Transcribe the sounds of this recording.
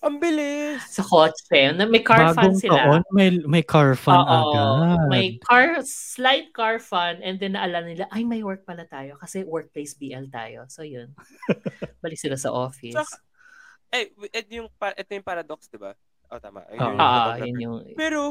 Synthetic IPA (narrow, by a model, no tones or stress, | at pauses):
ʔɐŋbɪlɪssɐkot͡ʃɛnɐmɐjkaɹaːfɡaoŋsɪlɐlaʔonmɐjmɐjkʰaɹfɐoːʔɐʔɡamɐjkaɹsslajt̪̚kaɹfɐnɛnd̪ɛnːɐʔɐlaːlɐnɪlaʔɐjmɐjwɛɹk̚pɐlɐt̪aːjo̞kɐsɛwɛɹk̚plejsbiːʔɛlt̪a̰ːjo̞̰sojʊn | bɐlɪksɪlasɐ̰ʔoːfɪssɐ | ʔajʔɛt̪jʊŋpaʔɛt̪ojʊŋpaɾad̪oksd̪ɪba̰ | ʔot̪a̰ma̰ʔjoːʔʔoːʔojʊnjʊŋpɛːɾo